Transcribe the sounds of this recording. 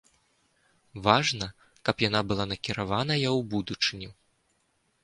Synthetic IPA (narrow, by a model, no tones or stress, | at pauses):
vaʐnɐ | kɐpjanabɨlˠanɐkʲiɾavanɐjɐwbud̪ut͡ʂɨnʲi